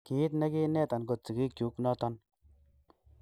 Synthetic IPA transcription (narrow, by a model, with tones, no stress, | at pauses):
ki˨˦t̪ne˦ki˦nɛ˦˨t̪a˨nɡo˨t̚t͡si˨ɡi˦kju˨˦knɔ˦t̪ɔ˦n